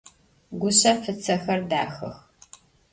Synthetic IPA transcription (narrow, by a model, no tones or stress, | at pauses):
ɡʷʊɕɐfɨt͡sʰɐxɐrdaːxɐ̰x